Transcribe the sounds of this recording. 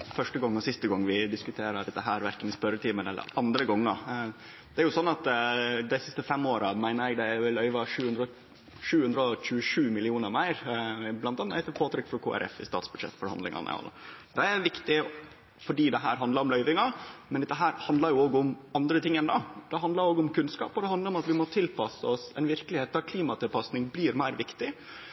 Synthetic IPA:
fœʂʈəɡɔŋːɔsɪst̪əɡɑŋːʋɪd̪ɪskʉt̪ʰeːɾɑɖɛt̪ːəɦæːɾʋæɾkənɪspœɾət̪iːmənɛ̰lːə̰ɾɑnd̪ɾəɡɔŋːɑ | d̪̥ɛæɾjʊsɔnːɑt̪d̪ɛɪsɪst̪əfɛmːoːɾɑmæɪnəɾɛɡd̪ɛlœʏʋɑʂʉːhʉnd̪ɾɔ | ʂʉːhʉnd̪ɾəɔc͡çʉəʂʉːmɪlɪuːnəɾmæɪɾblɑnt̪ɑnːhæɪt̪əpʰoːt̪ʰɾʏkːfɾɔkʰo̰ːʔæ̰ɾɛ̰fɪ̰st̪ɑ̰ːt̪sbʉd̪ʂɛ̰t̪ːfɔɾhɑnlɪ̰ŋɑ̰nə̰ɔ̰l̰d̪ɛæʋɪkt̪ɪ | fɔɖiːd̪ɛɦæːɾɦɑnd̪ɑɾɔmlœʏʋɪŋɑmɛnd̪ɛɦæːɾhɑnd̪lɑɾjʊoːɡəʊmɑnd̪ɾət̪ʰɪŋːɛnd̪ɑːd̪̥ɛɦɑnd̪lɑɾoːɡəʊmkʉnskɑ̰ːpɔd̪ɛhɑnd̪əɾɔmɑt̪ʋɪmɔt̪ʰɪlpʰɑsəɔsɛnʋɪɾkəlɪheːt̪ːɑkʰliːmɑt̪ɪlpɑsnɪŋblɪːɾmæɪɾʋɪkt̪ɪ

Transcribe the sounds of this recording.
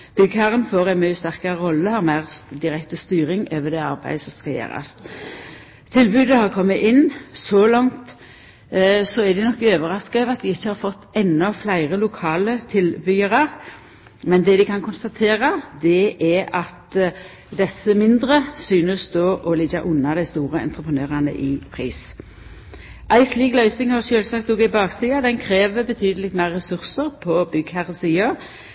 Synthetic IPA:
b̥ʏɡəhæʁənfoːʁæɪnmœst̪æʁkɑʁəʁɔlːəɑʁmæɪʁd̪ɪʁɛkt̪əst̪yːɾɪŋøːʋəd̪ɛɑɾbæ̰ɪd̪sɔmskɑjḛːɾɑ̰s | t̪ʰɪlbʉːd̪əhɑʁkʰɔmːəʔɪnːsɔlɑŋt̪ | sɔæd̪ɪnɔkːɪøːʋəʁɑskɑʋɑt̪̚d̪ɪɪçːəhɑɾfɔt̪ːɛnːɔflæɪʁəlʊkʰɑːlət̪ʰɪlbʏːəɾɑʁ | mɛnd̪ɛd̪ɪkʰɑnkʰʊnst̪ɑt̪ʰeːʁɑd̪ɛæɑt̪ | d̪ɛsːəmɪnd̪ʁəsyːnəsd̪oːʔɔlɪɡɑ̰ʔʊnːɑd̪æɪst̪uːʁəɛ̰nt̪ɾəpənøːʁɑnə̰ʔɪpʰʁḭːs | ʔæɪsliːɡlœʏsɪŋhɑʁʃøːlsɑk̚t̪uːɡɪbɑːksiːɑd̪ɛnkʰɾeːʋəbət̪ʰyːd̪əlɪt̪mæɪʁːɛsʉʁsəʁpʰɔbʏɡhæʁɔsiːɑ

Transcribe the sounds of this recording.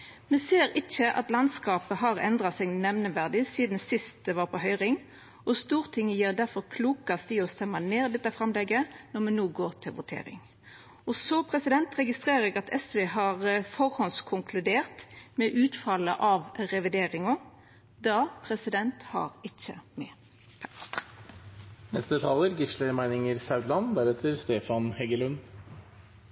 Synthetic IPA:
mɛseːɾɪçəʔɑ̰t̪lɑnskɑːpəɦɑʁɛ̰nd̪ʁɑsɛɡnɛʋnəʋæʁd̪ɪsiːd̪nsɪst̪̚d̪ɛʋɑːʁpʰɔhœʏʁɪŋ | ʔɔst̪uːʁt̪ʰɪŋːəjiːʁd̪æʁfɔɾkʰluːkɑst̪ɪɔst̪ɛmːɑneːd̪ɛt̪ːəfɾɛmlɛɡənɔʁmɛnuːɡoːʁt̪ʰɪlʋʊt̪ʰḛːɾɪ̰ŋ | ɔsɔpʰɾɛsɪd̪ɛnt̪ɾɛɡɪst̪ʁeːɾʁəɛɡɑt̪ʰɛsʋeːɦɑʁfɔɾhɔnskʰʊŋkʰlʉd̪eːʁt̪mɛʔʉːt̪fɑlːə̰ʔɑʋʁɛʋɪd̪eːɾɪŋɔ | d̪ɑpʰɾɛsɪd̪ɛnt̪hɑ̰ɾɪçə̰mɛ̰ | nɛst̪əət̪ʰɑləɾɡɪʂləɾmæɪnɪŋəɾsɑʉd̪lɑnd̪æɾɛt̪ʰəɾst̪eːfɑnhɛɡəlʉn

